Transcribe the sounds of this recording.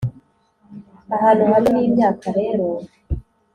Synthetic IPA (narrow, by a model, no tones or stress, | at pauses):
aɦaːn̤uhaliniːmjaːkaɾe̞ɾo